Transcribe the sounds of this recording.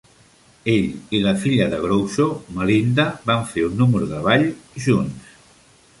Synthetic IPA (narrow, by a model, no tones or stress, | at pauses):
eʎiləfiʎəðəɣɾowʃoməɾind̪əβaɱfeunːumɾuðəβaʎʒuns